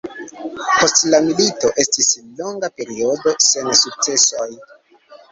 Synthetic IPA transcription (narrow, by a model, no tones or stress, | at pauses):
po̞stlamilito̞ʔe̞stislo̞ŋɡape̞ɾio̞do̞se̞nsuk̚t͡se̞soj